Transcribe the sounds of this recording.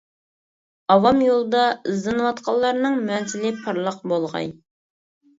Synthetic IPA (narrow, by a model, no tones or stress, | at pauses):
ɑwɑmjolˠd̪ɑɨzɨnwɑt̪qʰɑlˠːɑɾnɨŋmyɛnsɪlɪpʰɑɾlˠəqbolˠʁɑ̰j